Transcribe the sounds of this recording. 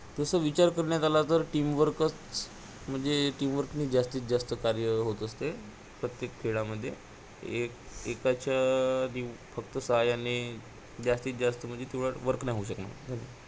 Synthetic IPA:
t̪əsəʋit͡ɕaɾkəɾɳjat̪alat̪əɾʈiːmʋəɾkət͡s | m̤əɳd͡zeʈiːmʋəɾkniːd͡ʑast̪iːt̪d͡ʑast̪əkaɾjəɦot̪əst̪e | pɾət̪jek̚t̪ʰeɭaməd̪ʱːje | ekekat͡ɕani | fəkt̪əsəɦajane | d͡ʑast̪iːt̪̚d͡ʑast̪əm̤əd̪ʱːjet̪iʋɽaʋəɾknajɦouɕ̬əkna̰ɡʱəni

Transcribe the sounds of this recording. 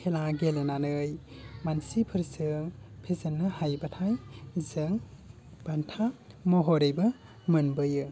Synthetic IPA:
kʰelaɡelenanɯjmansipʰɯɾsɯŋpʰezɯnːɯhajbatʰajzɯŋ | b̥antʰa | mɔɦɔɾɯjbɯ | mɯnbɯjɯ

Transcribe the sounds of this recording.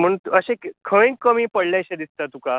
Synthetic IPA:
m̤əɳt̪uəɕekkʰəẽkːəmiːpəɽljajɕed̪ist̪at̪uka

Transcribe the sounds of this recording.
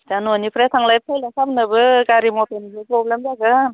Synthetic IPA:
d͡ʒanonipʰɾatʰaŋlajp̚tʰajlasapnɯbɯɡaɾimɔtenibɯpɾɔblemzaɡɯn

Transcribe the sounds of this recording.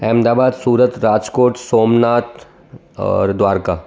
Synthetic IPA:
ɛːmd̪aːbaːd̪suːɾət̪ɾaːd͡ʒkoːʈsoːmnaːt̪ | ɔ̰ːɾd̪waːɾkaː

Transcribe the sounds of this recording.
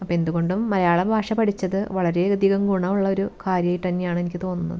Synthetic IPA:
ɐpːe̞nd̪uɣo̞ɳɖumːɐɾɐjaːɭɐbʱaːʂɐpɐʈʰit͡ɕːɐðɨʋɐɭɐɾe̞d̪ʱiɣɐmɡuɳɐuɭːɐo̞ɾukaːɾjɐjʈ̪ːɐnːejaːɳɨe̞nikʲːɨt̪o̞ːnːunːɐ̰ðɨ

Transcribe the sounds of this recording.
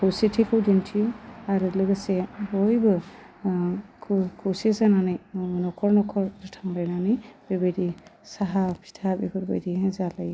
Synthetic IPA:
kʰɯwsetʰikʰɯwdintʰijɔaɾulɯɡɯsebɔjbɯ | kʰkʰɯwsezananɯjnɔkʰɔɾnɔkʰɔɾzɯtʰaŋlajnanɯjb̥ebɯjdisaɦapʰi̥tʰabḭbʰɯɾbɔ̰jdizalaj

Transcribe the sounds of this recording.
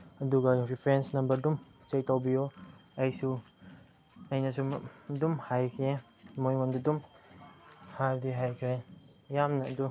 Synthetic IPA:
ɐduɡɐɾipʰɾensnɐmbɐɾdumt͡ʃek̚tawbijoɐjsu | ɐjnɐsudumhajkʰɾe | mojŋondudum | haɾdiɦajkʰɾe | jamnɐːdu

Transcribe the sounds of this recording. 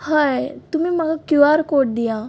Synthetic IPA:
hajt̪umiːmaɡakjuaɾkoʈ̚d̪ija

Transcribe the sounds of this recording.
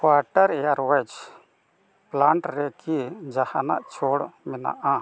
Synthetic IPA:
kwaʈaɾɛjaɾwɛd͡ʒ | plaɳʈɾɛkid͡ʒahana̰ʔt͡ʃʰɔɽmɛna̰ʔa

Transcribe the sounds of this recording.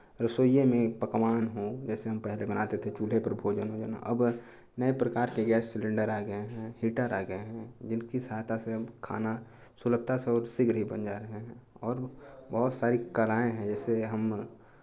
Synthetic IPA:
ɾəsoːijemẽpəkʋaːnɦod͡ʒɛːseɦɐmpɛɦlebənat̪et̪ʰet͡ʃuːlepɐɾbʱoːd͡ʒənɦod͡ʒa̰ːna̰ʔɐb | nəepɾəkaːɾkeɡɛːsːɪlə̃ɳɖəɾaːɡəeɦɛ̃hiːʈəɾaɡəeɦɛ̃d͡ʒɪnkisɦaːt̪ʰaseəbkʰa̰ːna | sʊləb̚t̪ʰaseɔːɾsɪɡɾɦibə̰nd͡ʒaɾɐɦeɦɛ̃ɔːɾbəɦʊt̪saːɾikəlaːẽɦɛ̃d͡ʒɛːseɦɐm

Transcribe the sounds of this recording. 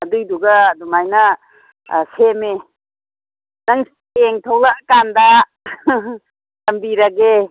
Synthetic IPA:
ɐdɯjduɡɐdumajnɐ | seme | nɐŋ | eŋtʰɐwlakanda | tɐmbiɾɐɡe

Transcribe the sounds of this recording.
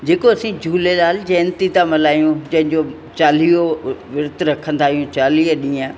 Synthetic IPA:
d͡ʑeːkoɐsĩd͡ʑʱuːlelaːld͡ʑɛːnt̪it̪ãmɐlaːijũd͡ʑɐ̃ɦɪ̃ɲd͡ʑo | t͡ɕaːlioʋɪɾt̪ɾɐkʰə̃nd̪aːɦijũt͡ɕaːliəɗĩːã

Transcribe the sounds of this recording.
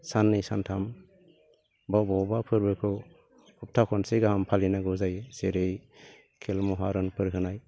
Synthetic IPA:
sanːɯjsantʰam | bɔbɔbapʰɯɾbɯkʰɯ | hup̚tʰakʰɔnseɡaɦampʰalinaɡɯzajseɾej | kʰelmɔɦaɾɯnpʰɯɾkɯnaj

